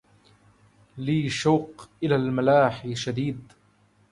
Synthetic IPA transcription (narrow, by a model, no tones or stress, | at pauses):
liːʃawqʔɪlaːlmalaːħiʃad̪iːd̪